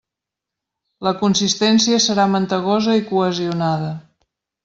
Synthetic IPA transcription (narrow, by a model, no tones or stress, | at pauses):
ləkunsist̪ɛnsiəsəɾamənt̪əɣ̞ɔzəikuəziunað̞ə